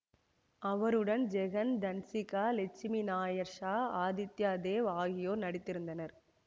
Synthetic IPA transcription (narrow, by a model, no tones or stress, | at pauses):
ɐʋɐɾɯɽɐnd͡ʒɛɣɐnd̪ɐnsɪkaːlɛt͡ʃːɪminaːjɐɾʂaːaːd̪ɪt̪jaːd̪eːʋaːɣɪjoːnɐɽɪt̪ːɪɾɯnd̪ɐnɐɾ